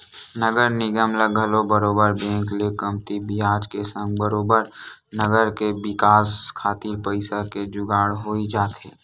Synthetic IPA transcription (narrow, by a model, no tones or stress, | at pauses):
nəɡəɾnɪɡəmləɡʱəlobəɾoːbəɾbɛ̃ːŋklekəmt̪ibʱiaːd͡ʒkesə̃ŋɡbəɾoːbəɾnəɡəɾkebɪkaːskʰaːt̪iɾpəɪsaked͡ʒʊɡaːɽɦoːid͡ʒaːt̪eː